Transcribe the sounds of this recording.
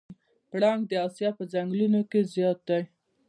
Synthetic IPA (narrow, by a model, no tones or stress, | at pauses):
pɽɑŋɡd̪əɑsjɑpəzaŋɡlunokezjɑt̪̚d̪aj